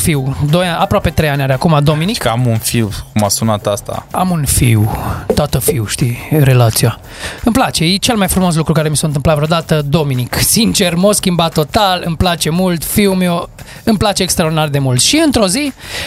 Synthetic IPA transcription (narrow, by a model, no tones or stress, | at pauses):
fiwd̪o̞jaapɾoape̞t̪ɾejanʲaɾeakumad̪o̞minikamunfiwkumasunat̪ast̪a̰amunfḭwt̪at̪əfiwʃt̪iɾe̞lat̪sija | ɨmplat͡ʃe̞jet͡ʃe̞lmajfɾumo̞s̬lukɾukaɾe̞misoɨnt̪ɨmplat̪vɾeod̪at̪əd̪o̞miniksint͡ʃe̞rmoskʲimbat̪ːo̞t̪alɨ̰mplat͡ʃe̞mult̪fiwmew | ɨmplat͡ʃe̞ːkst̪ɾaord̪inard̪e̞mult̪ʃiɨnt̪ɾo̞zi